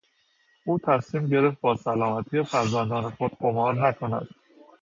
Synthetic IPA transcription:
uːt̪ʰæsmiːmɟe̞ɾe̞ft̪̚bɒːsælɒːmæt̪ʰiːefæɾzænd̪ɒːne̞xod̪̥ɢomɒːɾnækʰonæ̰d̪̥

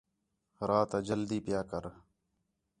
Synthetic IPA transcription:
ɾaːt̪ad͡ʒɐld̪iːpjaːkɐɾ

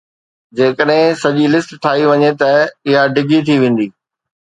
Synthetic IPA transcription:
d͡ʑeːkəɗɦɪ̃sɐʄilɪsʈʈʰaːiʋɐɲet̪ɐɪɦaɖʱɪɡit̪ʰiʋẽːn̆d̪iː

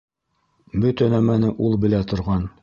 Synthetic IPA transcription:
bɵt̪ænæmænɘʔulˠbɘ̆læt̪ŏɾʁɑn

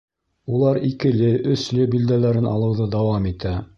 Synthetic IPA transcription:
ulˠɑɾikɘ̆lɘʔɵ̆slɘbild̪ælæɾɘnʔɑ̰lˠɤ̆wðɤd̪ɑwɑmit̪æ

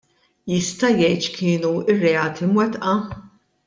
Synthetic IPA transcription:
jɪst̪ɐjɛjt̪ʃkʰɪːnuɪrːɛɐːt̪ʰimwɛt̪ʔɐ

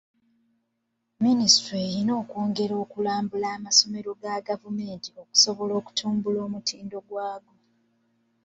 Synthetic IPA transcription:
ministɾeːɾino̞ːkoːŋɡe̞ɾo̞ːkulaːmbulaːmaso̞me̞ɾo̞ɡaɡavume̞ːntio̞ku̥so̞βo̞lo̞ːku̥tuːmbulo̞ːmutʰiːndo̞ɡwaːɡo

